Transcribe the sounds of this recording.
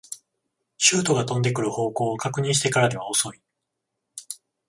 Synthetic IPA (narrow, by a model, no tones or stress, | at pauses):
ɕɨːt̪o̞ɡat̪õ̞nd̪e̞kɯ̟ɾɯ̟ho̞ːko̞ːokakɯ̟ɲ̟ĩɕ̬it̪e̞kaɾad̪e̞β̞ao̞so̞i